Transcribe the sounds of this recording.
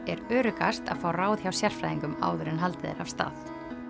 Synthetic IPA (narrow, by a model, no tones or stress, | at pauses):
ɛɾœːɾʏkast̪a̰ðfaːwraːwð̥çawsjar̥fɾajðiŋkʏma̰ːwðʏɾɪnɦalt̪ɪðɪ̰ɾav̥st̪a̰ːθ